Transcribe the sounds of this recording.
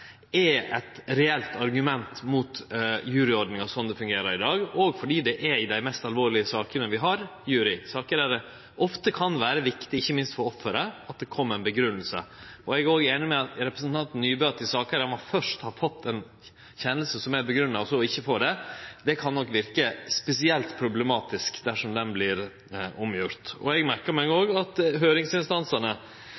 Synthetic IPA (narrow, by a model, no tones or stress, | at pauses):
ɛɛt̪ɾɛɛlt̪ʰɑɾɡʉmɛnt̪mut̪jʉːɾɪɔɾɖ̪nɪŋɑsɔnd̪ɛfʉŋɡeːɾəɾɪd̪ɑːɡɔɡfɔɖiːd̪ɛʔɛɾɪd̪æɪmɛst̪ɑlʋoːɾɭɪəsɑːkənəʋɪɦɑɾjʉːɾɪsɑːkəɾæɾə | ʔɔft̪əkʰɑnʋæːɾəʋɪkt̪ɪɪçːəmɪnst̪fɔɾɔfːəɾəɑt̪̚d̪ɛkʰɔmːəɾæɪnbəɡɾʉnːəlsə̰ɔɛɡoːɡeːnɪmɛɑt̪ɾɛpɾəsənt̪ʰɑnt̪nːyːbøt̪ɪsɑːkəɾæɾmɔfœʂʈhɑɾfɔt̪ʰːɛn | çɛnːəlsəsɔmæɾbəɡɾʉnːɑɔsɔɪçːəfoːɖɛd̪ɛkʰɑnːɔkːʋɪɾkəspɛsɪɛlt̪pʰɾʊblɛmɑːt̪ɪskd̪æʂɔmd̪ɛnblɪɾ | ʊmjʊɾt̪ɔ̰ɛɡmæɾkəɾmɛɡoːɡɑt̪ɦøːɾɪŋsɪnst̪ɑnsənə